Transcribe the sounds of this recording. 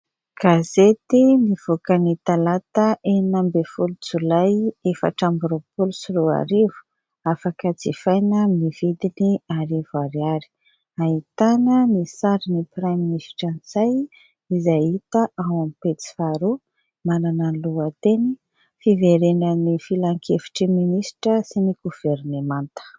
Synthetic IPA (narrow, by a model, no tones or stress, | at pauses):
ɡ̥azet̪iniv̥okənit̪alat̪əʔenambefulut͡sulajefə̰ʈ͡ʂambuɾopulusuɾua̰ɾivu̥ | afakəd͡zefajnəmivid̪iniaɾivuaɾiaɾi̥ | ait̪anənisaɾinipɾaminisʈ͡ʂanzaj | izajit̪aʔawamipet͡si̥faɾu | manananluat̪eni | fiveɾenənifilaŋkʰefi̥ʈ͡ʂiminisʈ͡ʂəsiniɡuv̥eɾnemant̪ə̥